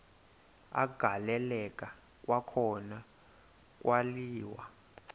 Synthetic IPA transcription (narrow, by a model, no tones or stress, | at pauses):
a̰ɡ̥ʱalɛlɛkʼa | k̬ʼwakʰɔna | k̬ʼwaliːwa